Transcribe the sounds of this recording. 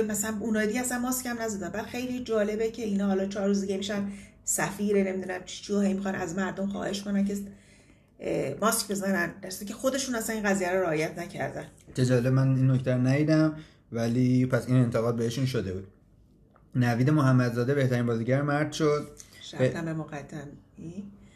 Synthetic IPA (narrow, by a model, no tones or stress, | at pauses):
mæsælænunɒːjed̪iɟeæsænmɒːscʰæmnæzæd̪ænbæd̪̥xe̞jlid͡ʒɒːle̞becʰe̞iːnɒːɦɒːlɒːt͡ʃʰɒːɾruːzd̪iɟemiʃænsæfiːɾene̞mid̪unæmt͡ʃʰi̥t͡ʃʰiohe̞jmixɒnʔæzmæɾd̪o̞mxɒ̰ːhe̞ʃkonænce̞ | mɒskʰbe̞zænænd̪æɾst̪cʰʲe̞xo̞d̪e̞ʃuːnæsæninɣæzijæɾoɾeɒːjæt̪ʰnæcʰæ̰ɾd̪ænt͡ʃed͡ʒɒːle̞bmæninːoct̪ʰæɾonæj̪iːd̪æm | væliːpʰæsine̞nt̪ʰeɣɒːd̪̚beeʃunʃod̪e̞buːd̪̥̚ | næviːd̪e̞mohæmːæd̪zɒːd̪e̞be̞ht̪æɾiːnbɒːziːɟæɾmæɾd̪̥ʃod̪̚ʃæt̪ːæmemoɣæt̪ʰːæmi